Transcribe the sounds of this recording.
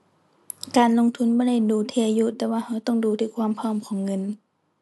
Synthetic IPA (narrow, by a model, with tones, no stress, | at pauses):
kaː˨nlo˧˥˨ŋt̪ʰu˧˥˨nbɔː˧˦ɾa˥˩˨jduː˨˩t̪ʰɛː˧˩juː˧˨t̪ɛː˧waː˧ha˧˩wt̪ɔ˥˩ŋduː˨˩t̪ʰiː˧˩kʰwaː˧˥˨mpʰɔː˧˨mkʰɔː˨˦ŋːɤ˧˥˨n